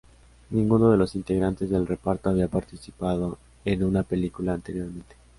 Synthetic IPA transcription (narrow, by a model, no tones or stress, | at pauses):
nĩŋɡuno̞ð̞e̞lo̞sint̪e̞ɣɾant̪e̞zðe̞lre̞paɾt̪oaβiapaɾt̪isipað̞o̞ | enunape̞likulaːnt̪e̞ɾjoɾmẽ̞nt̪e̥